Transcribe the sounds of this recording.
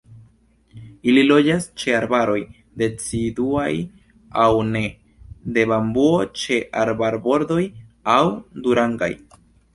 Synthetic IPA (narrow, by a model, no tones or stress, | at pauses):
ililo̞d͡ʒast͡ʃe̞aɾbaɾo̞j | de̞t͡siduaj | awne̞ | de̞bambuo̞t͡ʃe̞ʔaɾbaɾbo̞ɾdo̞jawduɾaŋɡa̰j